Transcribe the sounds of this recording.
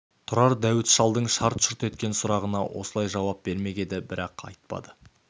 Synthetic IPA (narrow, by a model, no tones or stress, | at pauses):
t̪ʰʊɾɑɾd̪æwɪt̪ʃɑlˠd̪əɴʃɑɾt̪ʃʊɾt̪e̞t̪kʲe̞nsʊɾɑʁənɑwo̞̰səlˠɑjʒɑwɑp̚be̞ɾme̞ɡʲe̞d̪ɪbɪɾɑqɑ̰jt̪̚pɑ̰d̪ə